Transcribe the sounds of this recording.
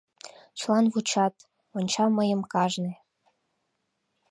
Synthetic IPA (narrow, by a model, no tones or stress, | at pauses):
t͡ɕlˠɑnβut͡ɕɑt̪ | onʲt͡ɕɑməjə̆mkɑʒnĕ